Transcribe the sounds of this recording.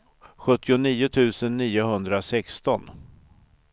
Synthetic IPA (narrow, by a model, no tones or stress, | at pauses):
ɧɵt̪ːɪʊniːʊt̪ʰʉ̟ːsənːiːʊɦɵnd̪ɾasɛkst̪ɔn